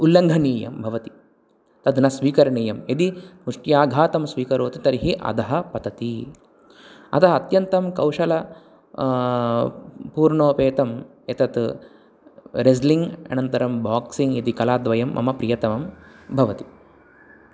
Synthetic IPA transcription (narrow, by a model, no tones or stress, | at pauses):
ulːɐŋɡʱɐniːjɐ̰mbʱɐʋɐt̪i̥ | t̪ɐd̪ʱnɐsʋiːkɐɾɐɳiːjɐmed̪imuʂʈjaːɡʱaːt̪ɐmsʋiːkɐɾoːt̪it̪ɐɾiɦiʔɐ̰d̪ɐɦɐ̆pɐt̪ɐt̪i | ɐ̰t̪ɐɦɐɐt̪jɐnt̪ɐmkɐwʂɐlɐ | puːɾɳoːpeːt̪ɐm | et̪ɐt̪ | ɾes̬liŋɡɐ̰nɐnt̪ɐɾɐmbaːksiŋɡed̪ikɐlaːd̪ʋɐjɐmːɐ̰mɐpɾijɐt̪ɐʋɐmbʱɐʋɐt̪i̥